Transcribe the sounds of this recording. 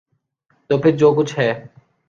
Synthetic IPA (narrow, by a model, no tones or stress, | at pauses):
t̪oːpʰɪɾd͡ʒoːk̬ʊt͡ʃʰɦɛː